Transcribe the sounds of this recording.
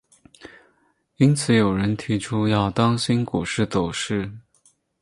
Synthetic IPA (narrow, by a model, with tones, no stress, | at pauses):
i˥nt͡sʰɹ̩˨˩˦jo˨˩ʊɻə˧˥nt̪ʰi˧˥ʈ͡ʂʰu˥jɑ˥˩ʊt̪ɑ˥ŋɕi˥nku˨˩ʂɻ̩˥˩t̪o˨˩ʊʂɻ̩˥˩